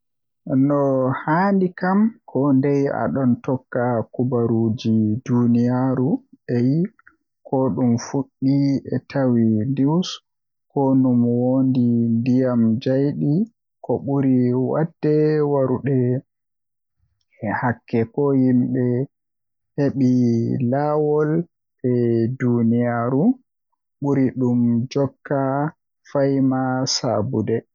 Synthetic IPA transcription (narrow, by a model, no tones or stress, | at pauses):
nɔhaːndikamkʰɔndɛja̰ɗɔntɔkːakubaɾud͡ʒidunijaɾuɛji | kʰɔɗumfuɗːiɛtawiniws | kɔnumwondindijamd͡ʒajɗi | kɔɓuɾiwa̰dːɛwaɾuɗɛ | ɛhakːɛkɔhimɓɛ | heɓilaːwɔl | ɛdunijaɾu | ɓuɾiɗumd͡ʒɔkːa | fajmasa̰budɛ